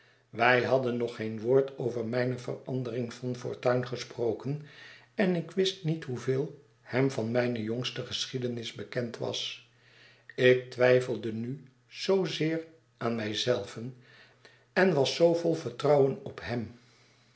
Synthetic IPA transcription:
ʋɛjɦɑdənːɔχejnʋʊːɹtowvəɹmɛjnəvə̰rɑ̰ndərɪŋv̥ɑnfʊ̰ːɹtœɥnχəsprowkən | ɛnɪkʋɪstnitɦuvɪːlˠ | hɛmvɑnmɛjnəjɔŋstəχəsχidənɪzbəkɛntʋɑ̰s | ɪk̚tʋɛjfəlˠdəny | z̥owzɪːr | ʔaːnmɛjzɛlˠvən | ɛnʋɑsowvɔlˠvəɹtrɑwənɔpɦɛm

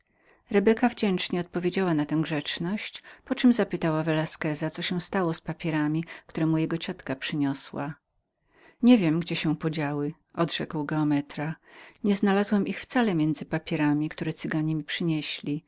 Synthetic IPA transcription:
ɾɛbɛkavd͡ʑɛnt͡ʂɲɛɔt̪̚pɔvʲjed͡ʑawanat̪ɛ̃w̃ɡʐɛt͡ʂnɔɕt͡ɕpɔt͡ʂɘmzapɘt̪awavɛlaskɛzat̪sɔɕɛ̃w̃st̪awɔspapʲjɛɾamʲik̚t̪uɾɛmujɛɡɔt͡ɕat̪kapʂɘɲɔswa̰ | ɲɛvʲjɛmɡd͡ʑɛɕɛ̃pɔd͡ʑawɘ | ʔɔd̪ʐ̥ɛkwɡɛɔmɛt̪ɾaɲɛznalazwɛmixft̪salɛmʲjɛnd̪zɘpapʲjɛɾamʲikt̪uɾɛt̪sɘɡaɲɛmʲipʂɘɲɛɕlʲi

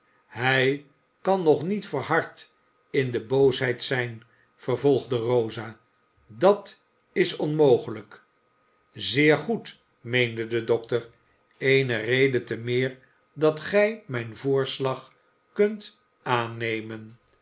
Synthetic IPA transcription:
ɦɛj | kɑnːɔχnitfəɹɦɑɹt | ɪndəbowsɦɛjtsɛjn | fəɹvɔlˠχdərowzaː | dɑt | ɪsɔnmowχələk | zɪːɹχut | mejndədədɔktəɹ | ejnərejdətəmɪːɹ | dɑtχɛjmɛjnvʊːɹslɑχ | kɵnt | ʔaːnejmən

